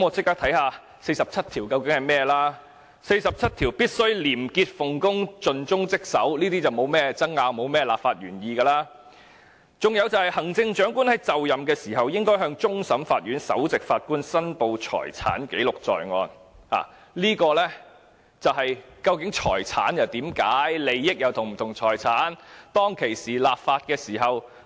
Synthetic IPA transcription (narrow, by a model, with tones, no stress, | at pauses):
mɔː˨˧t͡sɪ˥kːaː˥k̚t̪ʰɐ˨˥jhaː˧ | se˧jsɐ˨p̚t͡sʰɐ˥t̪ʰiː˨˩wkɐ˧wkɪ˨˥ŋhɐ˨jmɛː˥laː˥ | se˧jsɐ˨p̚t͡sʰɐ˥t̪̚ʰiː˨˩wpiː˥t̚sɵ˥ɥliː˨˩mkiː˧t̚fʊ˨ŋkʊ˥ŋt͡sɵ˨nt͡ʃʊ˥ŋt͡sɪ˥k̚sɐ˨˥wliː˥t̪iː˥t͡sɐ˨wmo˨˧wmɛː˥t͡sɐ˥ŋaː˧wmo˨˧wmɛː˥laː˨p̚faː˧t̚ɥyː˨˩njiː˨˧ɡɐː˧laː˥ | t͡sʊ˨˩ŋjɐ˨˧wt͡sɐ˨whɐ˨jhɐ˨˩ŋt͡sɪ˧ŋt͡ʃœː˨˥ŋkuː˥nhɐ˨˥jt͡sɐ˨wjɐ˨mkɛː˧siː˨˩ɦɐ˨wjɪ˥ŋkɔː˥jɦœː˧ŋt͡sʊ˥ŋsɐ˨˥mfaː˧t̚ɥyː˨˥nsɐ̰˨˥wt͡sɪ˨k̚fa̰ː˧t̚kuː˥nsɐ˥npo˨˧wt͡ʃʰɔ̰ː˨˩jt͡sʰa̰ː˨˥nke˨˥jlʊ˨k̚t͡sɔ̰ː˨jŋɔː˧nha̰ː˨˩ | liː˥kɔː˧lɛː˥ | t͡sɐ˨wɦɐ˨jkɐ˧wkɪ˨˥ŋt͡ʃʰɔ̰ː˨˩jt͡sʰa̰ː˨˥njɐ˨wt̪iː˨˥mkaː˨˥jle˨˧jːɪ˥k̚jɐ˨˧wt̪ʰʊ˨ŋm̩˨˩t̪ʰʊ˨˩ŋt͡sʰɔː˨˩jt͡sʰaː˨˥nt̪ɔː˥ŋkʰe˨˩jsiː˨˩laː˨p̚faː˧t̚kɛː˧siː˨˩ɦɐ˨˩w